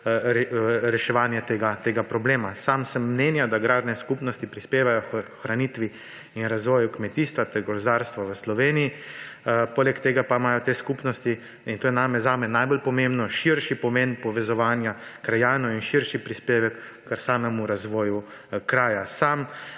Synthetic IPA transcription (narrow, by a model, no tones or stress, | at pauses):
ɾɾɛʃɛʋaːnjat̪eɡat̪eːɡapɾɔbleːmasamsəmːnɛnjad̪aɡɾaːd̪nɛskupnɔst̪ipɾispeːʋajɔxɾaniːt̪ʋi | inɾazʋɔːjukmɛt̪iːst̪ʋat̪ɛɾɡɔɾzd̪aːɾst̪ʋaʋəslɔʋeːniji | poːlɛkt̪eːɡapamaːjɔt̪eːskupnɔst̪i | int̪oːjɛnaːmɛzaːmɛnajbolpɔmembnɔʃiɾʃipɔmenpɔʋɛzɔʋaːnjakɾajaːnɔinʃiɾʃipɾispeːʋɛkː | əɾsaːmɛmuɾazʋɔːjukɾaːjasam